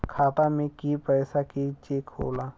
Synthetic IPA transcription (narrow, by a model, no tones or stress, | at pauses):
kʰaːt̪amẽkipɛːsakit͡ʃeːkho̰ːlaː